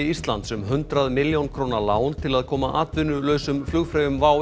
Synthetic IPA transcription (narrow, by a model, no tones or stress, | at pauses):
ɪist̪lant̪sʏmɦʏnt̪ɾaðmɪljownkʰɾoːnalaːwnt̪ʰɪlaðkʰɔːmaʔaːt̪vʏnʏlœɥsʏmflʏɣfɾaːjʏmvaːw